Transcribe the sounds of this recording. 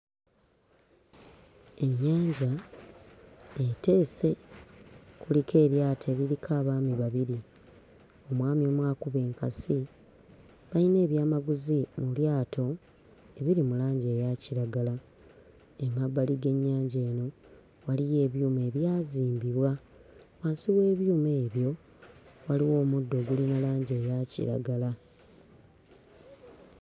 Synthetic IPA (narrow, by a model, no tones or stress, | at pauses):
e̞ɲːaːɲɟa | ete̞ːse̞ | kulikʰe̞ːɾjaːtʰe̞ɾiɾikʰaːβaːmiβaβiɾi | o̞mwaːmjo̞ːmwaːkuβe̞ːŋkasi | βaine̞ːβjaːmaɡuzimuljaːtʰo̞ | e̞βiɾimulaːɲɟe̞ːjaciɾaɡala | emabːaliɡe̞ɲːaːɲɟe̞ːno̞ | walije̞ːβjuːme̞ːβjaːziːmbiβwa | waːnsiwe̞ːβjuːme̞ːβjo̞ | waliwo̞ːmudːo̞ːɡulinalaːɲɟeːjacḭɾa̰ɡala